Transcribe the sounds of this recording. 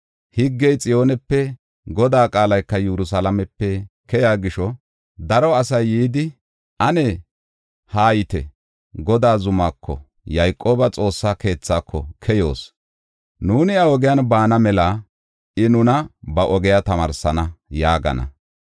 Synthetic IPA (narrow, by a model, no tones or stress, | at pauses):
hɪɡːɛjt͡sʼɪjo̞ːnɛpːɛ | ɡɔd̪aːkʼaːlɐjkːɐjɛɾʊs̬alɐmɛpːɛkɛjaːɡɪʃɔ | d̪ɐɾɔɐsɐjːiːd̪ɪ | ʔɐnɛ | haːjɪt̪ɛ̰ | ɡɔd̪aːzʊmaːkːɔ̰ | jɐjkʼːo̞ːbɐt͡sʼo̞ːsːake̞ːt͡sːaːkʰːɔ̰kʰɛjo̰ːs | nuːnɪɐɔɡɪjanbaːnɐmɛla | ʔɪnʊnɐbɐʔɔɡɛjat̪ɐmɐɾsɐnɐjaːɡɐ̰nɐ̰